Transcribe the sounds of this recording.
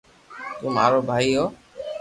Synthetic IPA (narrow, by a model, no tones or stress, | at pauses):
t̪umaɾɔbʱaiɔ